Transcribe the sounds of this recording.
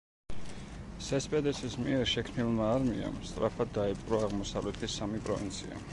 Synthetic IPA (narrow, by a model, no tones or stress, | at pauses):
sɛspʼɛd̪ɛsismiɛɾʃɛkʰmnilˠmaːɾmia̰mst̪ʼɾapʰad̪ːaɛpʼɾɔaʁmɔsavlɛt̪ʰisːamipʼɾɔvḭnt̪sʰḭa̰